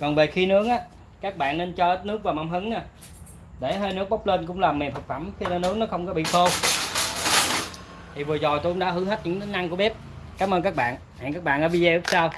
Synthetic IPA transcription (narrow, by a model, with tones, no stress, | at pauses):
kɔ˨˩nve˨˩xi˧nɨ˦˥ək̚ʔaː˨˦ | kaː˦˥k̚ɓa̰ː˧˨nːe˧nt͡ɕɔ˧nɨ˦˥ək̚vaː˨˩ma˨˧˩mɦɨ˨˦ŋa˨˧˩ | ɗe˧˩ɦəː˧jnɨ˦˥ək̚ɓa˦˥wk͡p̚ləː˧nk̬ʊ̰˧˥ŋ͡mlaː˨˩me˨˩mhə˨˩k̚fa˧˩mxi˧nə˧nɨ˦˥ək̚nɔ˨˦xə˧wŋ͡mkɔ˨˦ɓḭ˧˨t̪ʰo˧ | t̪ʰi˨˩vɨ˨˩ət͡ɕɔ˨˩t̪o˧kʊ˧˦ŋ͡mɗa̰˧˦hɨ˧˥˦ɦə˦˥t̚ɲɨ̰˧˥ŋt̪i˨˦na˧ŋku˧˩əɓɛ˦˥p̚kaː˨˦mʔəː˧nkaː˦˥k̚ɓa̰ː˧˨n | ha̰ː˨˧˨ŋkaː˦˥k̚ɓa̰ː˧˨ʔəː˨˦vi˧ze˧ʔɨ˦˥k̚saː˧w